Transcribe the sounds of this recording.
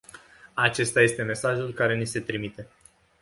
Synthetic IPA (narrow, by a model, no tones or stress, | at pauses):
at͡ʃe̞st̪aje̞st̪e̞me̞saʒulkaɾe̞nise̞t̪ɾimit̪e̞